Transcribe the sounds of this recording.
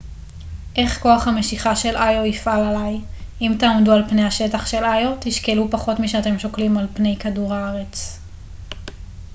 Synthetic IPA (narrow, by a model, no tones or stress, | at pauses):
ʔe̞χko̞aχhameʃiχaʃe̞lʔajoifʔalalajʔimtaːmdualpnejhaʃe̞taχʃe̞lajo̞tiʃkelupaχo̞tmiʃeate̞mʃoklimalpne̞jkaduʁhaaʁe̞t͡s